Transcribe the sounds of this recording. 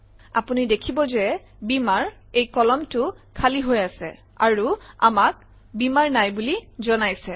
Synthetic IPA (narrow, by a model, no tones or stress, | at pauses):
a̰punidekʰibɔzɛ | bimaɹ | ejkɔlɔmtʊkʰaliɦojasɛ̰ | a̰ɹua̰mak̚ | bimaɹnajbulizɔnajsɛ